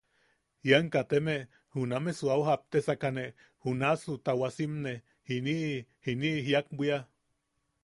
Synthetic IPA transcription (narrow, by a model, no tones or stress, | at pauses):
jaŋkat̪eme | hunamesuawɦap̚t̪esakane | hunasut̪awasimne | hiniʔhiniʔɦjak̚bʷia